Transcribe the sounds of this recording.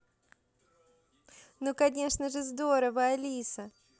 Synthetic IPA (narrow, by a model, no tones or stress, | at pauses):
nokɐnʲe̞ʂnəʐɨzd̪o̞ɾəvəɐlʲisə